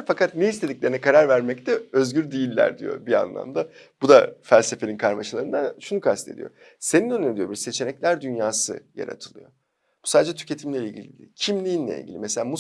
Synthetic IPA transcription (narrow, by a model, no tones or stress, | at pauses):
fakʰat̪̚neist̪ʰe̞d̪iclʲe̞ɾinɛkʰaɾaɾvæɾmɛc̚t̪ʰɛø̞zɟyɾd̪ijilʲːæ̰ɾd̪ḭjo̞̰bia̰nlˠa̰md̪a | b̥ud̪afælʲse̞fe̞nʲinkʰaɾmaʃɯlˠaɾɯnd̪aʃunukʰast̪ʰe̞̰d̪ḭjo̰ | se̞ninønyned̪ijo̞biɾse̞t͡ʃʰe̞nɛclʲæɾd̪ynjaːsɯ̰ja̰ɾa̰t̪ʰɯlˠɯ̰jo̞ | b̥u̥saːd̪ed͡ʒɛt̪ʰy̥cʰe̞t̪ʰimlʲeilʲɟilʲḭd̪ḭcʰimlʲijinlʲḛḭlʲɟḭlʲḭmeselʲaːmu